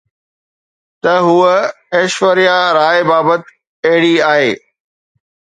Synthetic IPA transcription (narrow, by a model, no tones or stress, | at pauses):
t̪ɐɦuə | eːʃʋəɾijaɾaːebaːbət̪ | eɦɪɽiaːɦeː